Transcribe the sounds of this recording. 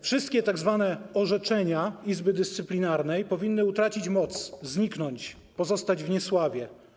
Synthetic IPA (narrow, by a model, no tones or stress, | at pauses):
fʂɘst̪̚kʲɛt̪aɡzvanɛɔʐɛt͡ʂɛɲaizbɘd̪ɘst̪sɘplʲinaɾnɛjpɔvʲinːɘut̪ɾat͡ɕit͡ɕmɔt̪szɲiknɔɲt͡ɕ | pɔzɔst̪ad͡ʑvɲɛswavʲjɛ